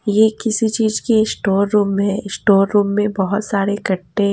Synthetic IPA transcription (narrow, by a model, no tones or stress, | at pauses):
jeːkɪsit͡ʃiːzkesʈoːɾːuːmɦɛ̃ɪsʈoːɾːuːmːẽbɐɦʊt̪saːɾekɐʈːe